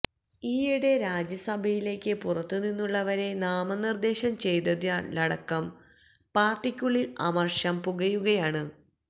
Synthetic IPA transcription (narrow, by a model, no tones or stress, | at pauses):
iːiɽe̞ɾaːd͡ʑɐsɐbʱɐjile̞ːkʲːɨpurɐt̪ːuninːuɭːɐʋɐɾe̞naːmɐnird̪e̞ːɕɐmt͡ɕe̞jt̪ɐðialɐɽɐkːɐm | paːrʈːikʲːuɭilɐ̰mɐrʂɐmpuɣɐjuɣɐjaːɳɨ